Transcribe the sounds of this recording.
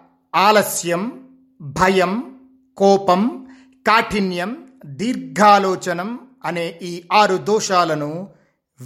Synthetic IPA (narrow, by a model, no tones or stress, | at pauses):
aːlɐsjɐm | bʱɐjɐm | kɔːpɐm | kaːʈʰinjɐm | d̪iːɾɡʱaːlɔːt͡ʃɐnɐm | ɐneːʔiːaːɾud̪ɔːʃaːlɐnu